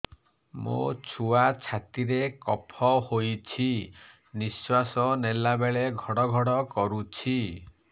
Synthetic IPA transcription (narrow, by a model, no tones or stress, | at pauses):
mo̰t͡ʃʰuat͡ʃʰat̪iɾekɔpʰɔhojt͡ʃʰi | niswasɔnelabeɭeɡʱɔɽɔɡʱɔɽɔkɔɾut͡ʃʰi